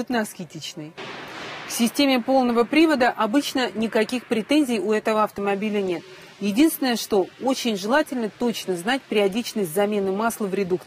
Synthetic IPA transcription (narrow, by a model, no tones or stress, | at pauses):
ut̪nəɐskʲɪtʲit͡ɕnɨj | fsʲɪsʲtʲemʲɪpo̞lˠnəvəpɾʲivəd̪əʔɐbɨt͡ɕnənʲɪkɐkʲixpɾʲɪt̪enʲzʲɪjʊɛt̪əvəɐft̪əmɐbʲilʲənʲe̞t̪ | jɪdʲinst̪vʲɪnəjəʂt̪o̞ot͡ɕɪnʲʐɨlˠatʲɪlʲnət̪o̞t͡ɕnəznat̚ʲpʲɪɾʲɪɐdʲit͡ɕnəsʲtʲzɐmʲe̞nɨmaslˠəvɾʲɪd̪uk̪